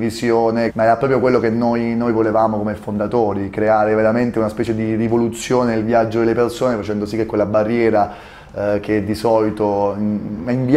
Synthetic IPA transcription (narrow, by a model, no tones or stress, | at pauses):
isjoːnemaɛɾapɾɔpɾjok̬welːokenːojnojvolevaːmokomefond̪at̪oːɾikɾeaːɾeveɾament̪eunaspɛːt͡ʃed̪irivolut̪sːjoːnenelvjad͡ʒːod̪elːepersoːnefat͡ʃɛnd̪osikːekːwelːabarːjɛːɾa | k̟ed̪ːisɔːlit̪o | iɱvi